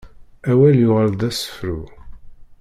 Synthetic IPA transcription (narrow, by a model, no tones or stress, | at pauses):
æwæljʊʁəld̪æsə̥fɾu